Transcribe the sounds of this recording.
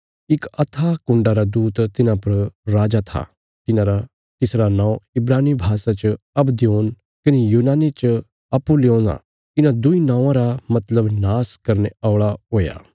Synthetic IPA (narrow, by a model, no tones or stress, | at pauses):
ɪkɐt̪ʰakʊ̃ɳɖaɾad̪uːt̪t̪ɪnãpɐɾɾaːd͡ʒat̪ʰa̰ | t̪ɪnãɾa | t̪ɪsɾanãːũɪbɾaːnibʱaːsat͡ʃ | ɐbd̪joːn | kɐnejuːnaːnet͡ʃ | ɐpːulõːnã̰ | ɪnãd̪ʊinãːãɾamɐt̪ləbnaːskɐɾneaːɭaɦoːja̰ː